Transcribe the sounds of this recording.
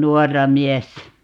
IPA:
nuɔrːɑ miɛsːæ

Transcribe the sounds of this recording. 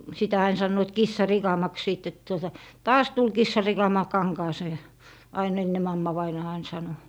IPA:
sitæ ɑin sɑnːoit kisːɑrikɑmɑks siˑt tuotɑ tɑːs tul kisːɑrikɑmɑ kɑŋkɑːseː ɑin enːe mɑmːɑʋɑinɑː ɑin sɑno

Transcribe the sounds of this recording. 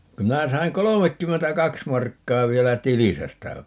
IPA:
ku minæ sɑiŋ kolomekːymːentækɑks mɑrkːɑː ʋielæ tilisæ stæ

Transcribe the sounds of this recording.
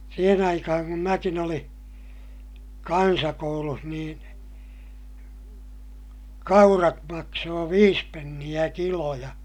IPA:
siːhen ɑikɑhɑŋ kum mækin olĩː kɑnsɑkouluh niːn kɑurɑt mɑksoː ʋiːs penːij̆æ kilo jɑ

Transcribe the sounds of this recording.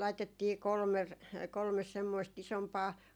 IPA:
lɑitetːiː kolmer kolmes semːoist isompɑː

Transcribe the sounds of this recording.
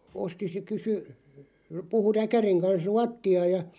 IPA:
osti se kysy puhu rækæriŋ kɑns ruɑtːiɑ jɑ

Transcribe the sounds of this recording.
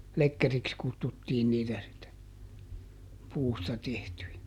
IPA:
lekːeriks kutːutːiːn niːtæ sitːe puːstɑ tehtyjæ

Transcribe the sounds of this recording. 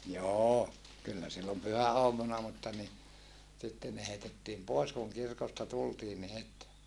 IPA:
joː kylːæ silːom pyhæoɑmunɑ mutːɑ ni sitːen ne heitetːiːm poˑes kuŋ kirkostɑ tultiːn ni het

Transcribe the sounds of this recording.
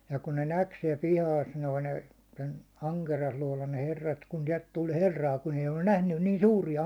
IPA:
jɑ kun ne næk siɛl pihɑːs noi ne sen ɑŋkerijɑsluɒlɑn ne herːɑt kun siɛlt tul herːɑː kun eij olːun næhnyn niːn suːrijɑ

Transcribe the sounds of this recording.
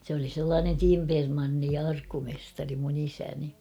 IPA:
sĕ oli selːɑːnen timpermɑnːi jɑ ɑrkːumestɑri mun isæni

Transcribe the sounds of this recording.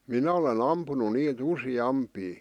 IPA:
minæ olen ɑmpunu niːt usiɑmpiː

